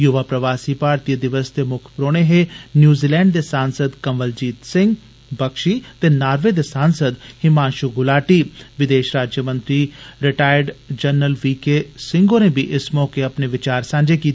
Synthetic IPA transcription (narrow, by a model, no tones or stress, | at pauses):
jʊʋaːpɾəʋaːsipaːɾt̪id̪ɪʋəsd̪emʊkʰpɾoːɽ̃eɦenjuːziːlɛ̃ːɳɖd̪esaːnsəd̪kɐmʋəld͡ʒiːt̪sɪ̃ŋɡ | bɐkʃiːt̪enaːɾʋed̪esãːnsəd̪hɪmãːnʃuɡʊlaːʈiːʋɪd̪eːʃɾaːd͡ʒjəmə̃nt̪ɾiɾɪʈaːɪəɾɖd͡ʒəɾnːəlʋiːkesɪ̃ŋɡõnebʱiʔɪsmɔːkeɐpneʋɪt͡ʃaːɾsãːɲd͡ʒekiːt̪ː